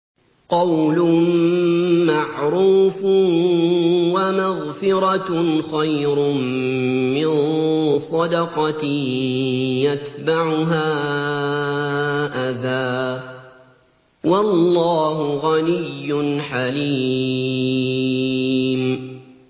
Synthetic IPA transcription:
qɑwlʊ | maʕɾuːf | wamaɣfɪɾˤɑxajɾʊmː | ɪnsˤɑd̪ɑqɑt̪ | jat̪baʕʊɦaː | ʔaðaː | wɑlːɑːɦʊɣanɪjːʊnħaliː | m

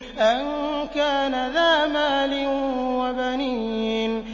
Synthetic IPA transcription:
ʔankaːnaðaːmaːlɪnwabaniːn

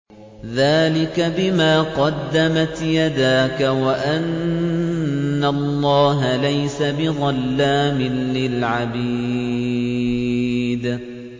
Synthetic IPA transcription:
ðaːlɪkabɪmaːqɑd̪ːamat̪jad̪aːkawaʔan | alˤːɑːɦalajsabɪðˤɑlːaːmɪnlɪlʕabiː | d̪

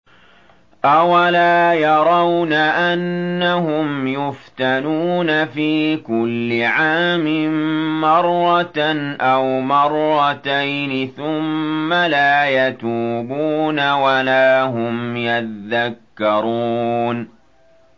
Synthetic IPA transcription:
ʔawalaːjɑɾˤɑwnaʔanːaɦʊmjʊft̪anuːnafiːkʊlːɪʕaːmɪmɑrˤːɑʔawmɑrˤːɑt̪ajnɪθʊmːalaːjat̪uːbuːnawalaːɦʊmjaðakːɑɾˤuːn

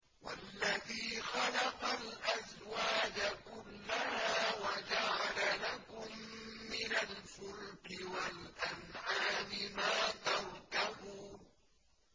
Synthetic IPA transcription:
wa̰lːaðiːxɑlɑqɑlʔaz | waːd͡ʒakʊlːahaːwad͡ʒaʕalalakʊmːɪnalfʊlkɪwalʔanʕaːmɪmaːt̪ɑɾˤt̪ahuːn

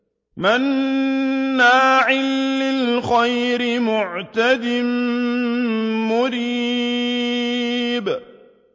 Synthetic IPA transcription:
manː | aːʕɪlːɪlxajɾɪmʊʕt̪ad̪ɪm | mʊɾiː | b

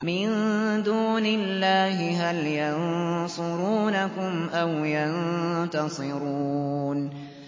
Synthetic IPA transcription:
mɪnd̪uːnɪllːaːɦɪɦaljɑnsˤʊɾuːnakʊmʔawjant̪ɑsˤɨɾuːn

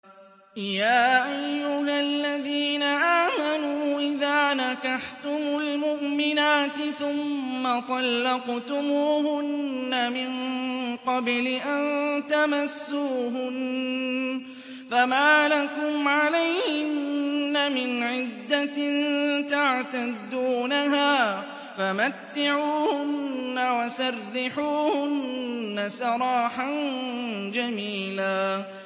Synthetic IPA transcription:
jaːʔajjːʊɦalːaðiːnaʔaːmanuːʔɪðaːnakaħt̪ʊmʊlmʊʔmɪnaːt̪ɪθʊmːat̪ˤɑlːɑqt̪ʊmuːhʊnːamɪnqɑblɪʔant̪amasːuːɦʊn | famaːlakʊmʕalajhɪɪnnːamɪnʕɪd̪ːant̪aʕt̪ad̪uːnaɦaː | famat̪ːɪʕuːhʊnnːawasɑrːɪħuːhʊnnnːasɑɾˤɑːħan | d͡ʒamiːlaː

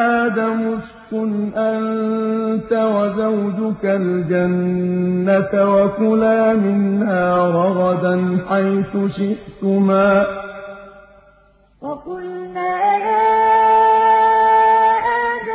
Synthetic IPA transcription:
aːd̪amʊskʊnʔan | t̪awazawd͡ʒʊkald͡ʒanː | at̪awakʊlaːmɪnhaːɾˤɑɣɑd̪anħajθʊʃɪʔt̪ʊmaː | wakʊlnaːhaː | ʔad

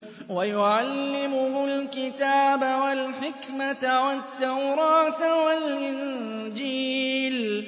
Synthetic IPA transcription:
wajʊʕalːɪmʊhʊlkɪt̪aːbawalħɪkmat̪wat̪ːawɾˤɑːt̪walʔɪnd͡ʒiːl

